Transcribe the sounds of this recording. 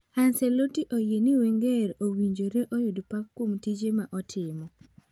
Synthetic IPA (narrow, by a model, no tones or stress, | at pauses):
ansɛlotiʔojeniweŋɡeɾowiɲd͡ʒoɾeʔɔjʊdpakːomtid͡ʒemaʔɔtʰɪmɔ